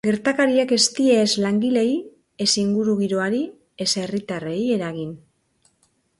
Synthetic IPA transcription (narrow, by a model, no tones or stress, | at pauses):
ɡe̞ɾt̪akaɾiake̞st̪ie̞ːzlaŋɡile̞j | e̞siŋɡuɾuɣiɾoaɾi | e̞se̞rit̪areje̞ɾaɣin